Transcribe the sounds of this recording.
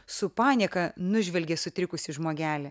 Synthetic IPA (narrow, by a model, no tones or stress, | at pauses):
sʊpɑːnʲikɐnʊʒʲʋʲɛlʲɡʲesʊt̪ʲɾʲɪkʊsʲɪʒmoːɡʲæːlʲɛ